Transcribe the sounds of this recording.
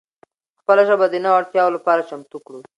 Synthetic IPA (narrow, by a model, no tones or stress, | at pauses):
xpəlaʒəbad̪ənawaɽt̪jɑwolapɑɾat͡ʃamt̪ukɽu